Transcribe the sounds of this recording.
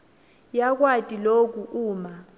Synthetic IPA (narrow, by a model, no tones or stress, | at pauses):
jak̬watʼilok̬uʔuːma